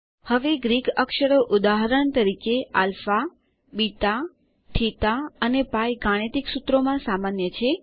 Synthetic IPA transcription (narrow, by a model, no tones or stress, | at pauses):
həʋeɡɾiɡəkʃəɾoʔʊd̪aɦɾəɳt̪əɾikealfa | bit̪a | ʈʰit̪aənepajɡaɽ̃et̪iksut̪ɾomãsamanjət͡ʃʰe